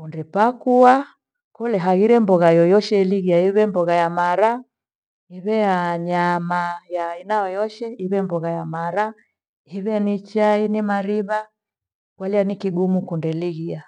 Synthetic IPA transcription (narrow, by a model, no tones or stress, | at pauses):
kundɛpakua | kɔlɛɦaɣiɾɛmbɔɣajɔjɔʃɛliɣiaiβɛmbɔɣajamaɾa | iβɛjaɲamajainaɔjɔʃɛiβɛmbɔɣajamaɾa | hiβɛnit͡ʃainimaɾiβa | kwalianikiɡumukundɛliɣia